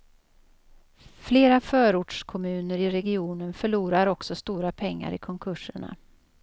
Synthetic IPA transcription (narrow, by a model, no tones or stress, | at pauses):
fleːɾafœːɾuːʈʂkʰɔmʉ̟ːnəɾɪɾɛɡɪuːnənfœɭuːɾaɾɔksɔst̪uːɾapʰɛŋːa̰ɾɪkʰɔŋkʰɵʂəɳa̰